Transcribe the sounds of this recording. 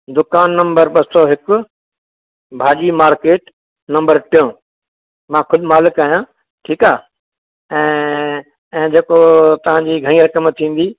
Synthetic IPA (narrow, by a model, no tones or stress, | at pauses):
d̪ʊkaːnːɐ̃mbəɾɓɐsɔɦɪkʊ | bʱaːʄimaːɾkeːʈ | nɐ̃mbəɾʈɪjõ | mãːxʰʊd̪ʱɪmaːlɪkaːɦijã | ʈʰiːkaː | ɛ̃ː | ɛ̃ːd͡ʑeːkot̪ɐʋ̤ãɲd͡ʑiːɡʱɐɽ̃iːɾɐkəmt̪ʰĩːn̆d̪iː